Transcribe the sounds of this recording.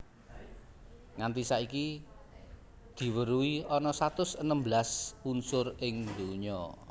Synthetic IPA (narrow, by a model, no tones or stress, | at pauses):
ŋant̪isaiki | d̪̥i̤wəɾuiɔnɔsat̪ʊsənəmblasunsʊrɪŋd̪uɲɔ